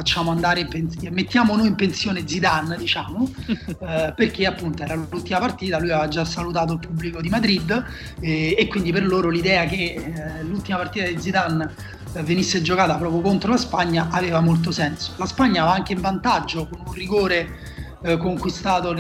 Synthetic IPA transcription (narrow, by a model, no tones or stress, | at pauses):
fat͡ʃːaːmoand̪aːɾempenmːet̪ːjaːmonoːjimpensjoːned̪zid̪anːd̪it͡ʃaːmo | perk̟eapːunt̪oɛːɾallult̪ːimapart̪iːt̪alujavad͡ʒːasːalut̪̬aːt̪̬oilpubːlikod̪imad̪ɾid̪ː | ekːwind̪iperloːɾolid̪ɛːak̟elult̪imapart̪iːt̪ad̪id̪zid̪anː | venisːed͡ʒokaːt̪apɾɔːpɾjokont̪ɾolaspaɲːaʔaveːvamolt̪̬osɛnso̥laspaɲːavaaŋk̟eiɱvant̪ad͡ʒːokonunriɡoːɾe | koŋkwist̪aːt̪o